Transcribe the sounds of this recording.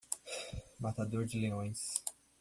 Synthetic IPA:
mat̪ad̪oɾd͡ʒɪleõj̃s

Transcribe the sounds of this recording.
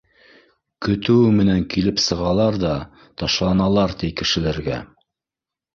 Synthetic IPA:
kɵ̆t̪ɘ̆wɘmɘ̆næŋkilɘpsɤ̆ʁɑlˠɑɾðɑ | t̪ɑʃlˠɑnɑlˠɑɾt̪ijkɘ̆ʃɘ̆læɾɡæ̰

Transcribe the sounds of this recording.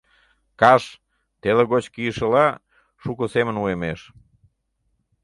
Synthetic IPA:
kɑʃ | t̪eleɣot͡ɕkijəʃəlɑ | ʃukosemənuemeʃ

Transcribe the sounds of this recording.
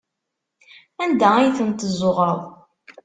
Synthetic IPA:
ænd̪æijθənt̪əzːoʁɾəðˤ

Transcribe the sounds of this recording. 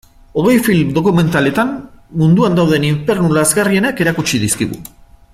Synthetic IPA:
o̞ɣ̞e̞jfilmd̪o̞kume̞nt̪ale̞t̪anmund̪uand̪awðe̞niɱfe̞ɾnulazɣarie̞nake̞ɾakut͡ʃiðiskiɣṵ

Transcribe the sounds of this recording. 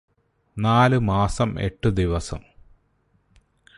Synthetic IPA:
naːlɨmaːsɐmḛʈːɨd̪iʋɐsɐ̰m

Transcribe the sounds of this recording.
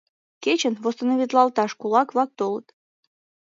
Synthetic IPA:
ket͡ɕənvost̪ənoβʲit̪lˠɑlˠt̪ɑʃkulɑkβlɑk̚t̪olɤ̰t̪

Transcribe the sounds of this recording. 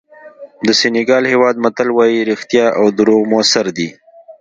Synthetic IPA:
d̪əsenɪɡɑlhewɑd̪mat̪alwɑjiɾixt̪jɑʔawd̪ʊɾoɣmʊasaɾd̪i

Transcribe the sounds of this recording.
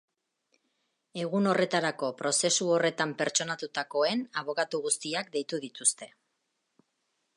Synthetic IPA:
e̞ɣ̞uno̞re̞t̪aɾako̞pɾo̞se̞suo̞re̞t̪ampeɾt͡ʃo̞nat̪ut̪ako̞e̞naβ̞o̞kat̪uɣust̪iakd̪e̞jt̪uðit̪ust̪e̞

